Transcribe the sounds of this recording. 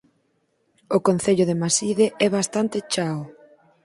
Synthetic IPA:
ʊkonθeʎʊðemasiðeʔɛβast̪ant̪ɪt͡ʃaw

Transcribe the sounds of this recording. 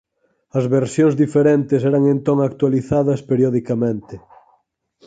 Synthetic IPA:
ɐzβeɾsjõŋzðifeɾent̪ɪsɛɾɐŋẽnt̪oŋak̚t̪waliθaðɐspeɾjɔðikamẽnt̪ɪ

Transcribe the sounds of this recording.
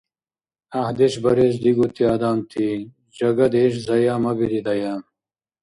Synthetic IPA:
ahd̪eɕbɐɾeːs̬d̪iɡut̪iaːd̪aːmt̪ʰi | d͡ʑɐɡɐd̪eːɕzɐjaːmɐbiɾid̪ɐjaːm

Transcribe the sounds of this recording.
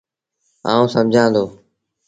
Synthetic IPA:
a̰ːũːsəmd͡ʒʱãːd̪oː

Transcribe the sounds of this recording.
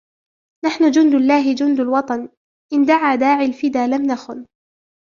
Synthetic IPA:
naħnʊd͡ʒʊnd̪alːaːɦɪd͡ʒʊnd̪alwɑt̪ˤɑn | ʔɪnd̪aʕaːd̪aːʕalfɪd̪aːlamnaxʊn

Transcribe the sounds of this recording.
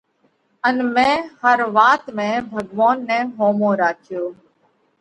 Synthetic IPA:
ənmẽːhəɾʋaːt̪mẽːbʱəɡʋaːnːɛ̃ːɦoːmõːɾaːkʰɪjoː

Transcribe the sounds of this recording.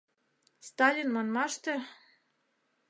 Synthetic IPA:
st̪ɑlʲinmɑnmɑʃt̪ĕ

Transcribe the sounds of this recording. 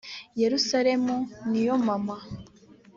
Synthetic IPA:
je̞ɾusaɾe̞munijo̞mama

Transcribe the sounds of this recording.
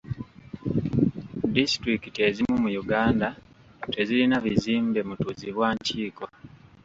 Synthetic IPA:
distɾikite̞zimumujuɡaːnda | te̞zilinaβiziːmbe̞mutuziβwaːɲciːko̞

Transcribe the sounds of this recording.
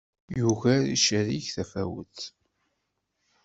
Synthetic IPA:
juvæɾḭʃəɾiçθæfæwə̰θ

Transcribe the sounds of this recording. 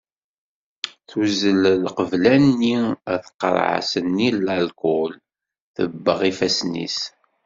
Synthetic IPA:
θuzəllqəvlænːiæθə̥qːə̰ɾˤʕa̰sənːilːælkʊl | θə̰bːəʁifæsnḭs

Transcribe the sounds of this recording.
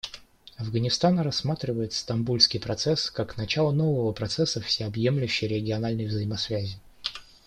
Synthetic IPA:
ɐvɡənʲɪst̪anɾɐsːmat̪ɾʲɪvəjɪt̪st̪ɐmbulʲskʲɪjpɾɐt̪sɛskaknɐt͡ɕalˠəno̞vəvəpɾɐt̪sɛsːəfsʲɪɐbje̞mlʲʉɕːɪjɾʲɪɡʲɪɐnalʲnəjvzəjɪmɐsvʲæzʲɪ

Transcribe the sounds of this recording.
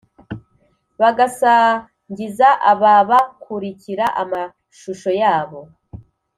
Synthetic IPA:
βaɡasa | ɲɟizaʔaβaβakʰuɾiciɾaʔama | ʃuʃo̞jaːβo̞

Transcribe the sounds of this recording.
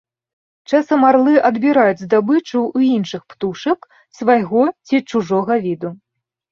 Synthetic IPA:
t͡ʂasɐmːarlˠɨʔɐd̪bʲiɾajud͡zʲzd̪abɨt͡ʂuuinʂɨxpt̪uʂɐk | svajɣɔt͡sʲit͡ʂuʐɔɣɐvʲid̪u

